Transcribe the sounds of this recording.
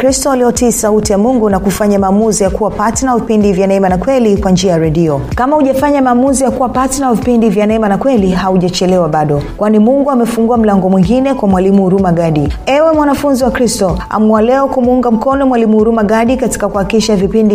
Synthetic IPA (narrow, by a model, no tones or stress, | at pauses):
kɾistɔaliɔtiːsautijamuŋɡunakufaɲamaːmuzijakuwapatinavipindivjanaɛmanakwɛlikwand͡ʒiajaɾɛɗiɔkamahuʄafaɲamaːmuzijakuwapatinavipindivjanaɛmanakwɛliɦauʄat͡ʃɛlɛwaɓaɗɔkwanimuŋɡuamɛfuŋɡuam̩laŋɡɔmwiŋɡinɛkwamwalimuhuɾumaɡaɗiɛwɛmwanafunziwakɾistɔa̰mualɛɔkumuuŋɡam̩kɔnɔmwalimuhuɾumaɡaɗikati̥kakuhaikiʃavipindi